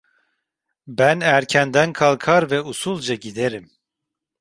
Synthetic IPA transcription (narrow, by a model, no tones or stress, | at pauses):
bænæɾcʰænd̪ænkʰalˠkʰaɾvɛusulˠd͡ʒaɟid̪eɾim